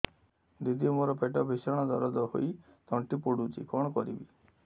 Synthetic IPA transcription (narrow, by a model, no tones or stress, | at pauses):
d̪id̪ijɔmoɾɔpʰeʈɔbʱisɔɽ̃ɔd̪ɔɾɔd̪ɔɦo̰i | t̪ɔɳʈipoɽut͡ʃʰḭkɔɽ̃ɔkɔɾḭbi